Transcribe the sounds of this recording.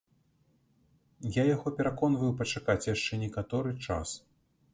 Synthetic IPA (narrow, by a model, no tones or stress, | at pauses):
jajaɣɔpʲɛɾakɔnvɐjuwpɐt͡ʂakat͡sʲjaʂt͡ʂɛnʲɛkat̪ɔɾɨt͡ʂa̰s